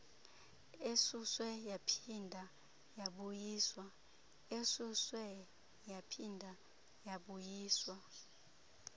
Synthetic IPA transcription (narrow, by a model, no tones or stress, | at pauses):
esuswɛjapʰindʱa | jaɓujiːswa | esuswɛ | japʰindʱa | jaɓujiːswa